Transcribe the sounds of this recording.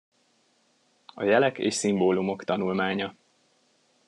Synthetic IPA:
ɒ̰jɛlɛkḛːʃsimboːlumo̞kt̪ɒnulmaːɲɒ

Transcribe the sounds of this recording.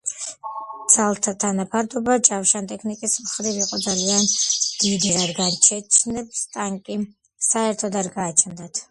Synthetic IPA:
d̪z̥alˠt̪ʰat̪ʰanapʰaɾd̪ɔbat͡ʃʼafʃant̪ʼɛkʰnikʼismχɾiviqʼɔd̪zaliand̪̥id̪iaɾɡant͡ʃʰɛt͡ʃʰnɛb̚st̪ʼaŋkʼi | saɛɾt̪ʰɔd̪aɾɡaːt͡ʃʰɛnd̪at̪ʰ

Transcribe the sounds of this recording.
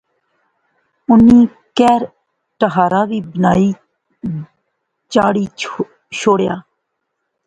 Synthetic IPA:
uni | kɛɾ | ʈaɦaɾabibnaj | t͡ɕaɽi | ʃoɽeja̰

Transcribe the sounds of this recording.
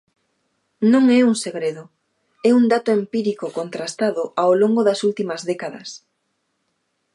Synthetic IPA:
nõŋɛuŋseɣɾeðʊ | ɛund̪at̪ʊempiɾikokont̪ɾast̪aðʊʔaoloŋɡoðɐsult̪imɐzðekaðɐ̰s

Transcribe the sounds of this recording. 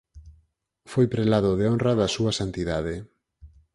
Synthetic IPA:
fojpɾelaðoðeonraðɐsuasant̪iðað̞e

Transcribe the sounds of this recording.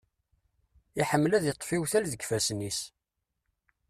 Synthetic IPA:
iħəmːlæðjət̪ˤːfiwθælðəɡfæsnis

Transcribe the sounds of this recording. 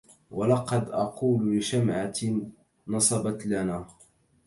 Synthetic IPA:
walɑqɑd̪ʔɑquːllɪʃamʕa | nɑsˤɑbɑt̪lanaː

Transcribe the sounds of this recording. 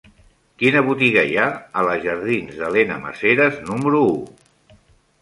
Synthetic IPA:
kinəβ̞ut̪iɣəijaələʒəɾð̞inzðəlenəmə̰seɾəznuməɾuu

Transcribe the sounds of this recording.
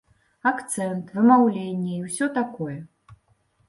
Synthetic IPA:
akt̪sɛnt̪vɨmawlʲenʲːɛiwsʲɔt̪akɔjɛ

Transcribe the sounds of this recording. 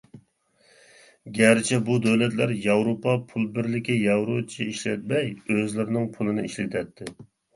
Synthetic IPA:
ɡʲæɾt͡ʃʰɛbud̪øwlɛt̪læɾjɑwɾopɑpʰulˠbɪɾlɪkʲɪjɑwɾot͡ʃʰiiʃlɛ̰t̪̚mɛjøzlɪɾɪnɪŋpʰulˠɨnɨiʃlɪt̪ʰɛt̪ʰːɪ

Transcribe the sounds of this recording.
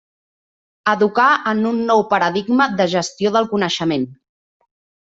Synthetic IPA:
əðukaənunːɔwpəɾəðiɡməðəʒəst̪ioðəlˠkunəʃəmen

